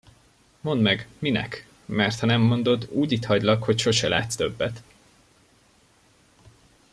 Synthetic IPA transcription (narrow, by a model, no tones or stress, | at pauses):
mo̞nd̪mɛɡminɛ̰k | mɛrt̪hɒnɛmːo̞nd̪o̞d̪uːɟit̪hɒɟlɒkho̞cʃo̞ʃɛla̰ːt̪st̪ø̞bːɛt̪